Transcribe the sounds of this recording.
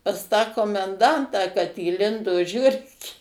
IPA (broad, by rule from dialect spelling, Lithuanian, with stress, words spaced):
pɐs tɑː koːmʲɛnˈdɐntɑː kɐt iːˈlʲɪndoː ˈʒʲʊrʲkʲeː